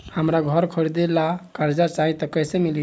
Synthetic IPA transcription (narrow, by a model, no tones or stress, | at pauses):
həmɾaɡʱɔɾkʰəɾid̪elakəɾd͡ʒaɾt͡ʃaɦit̪ɔkəjsemili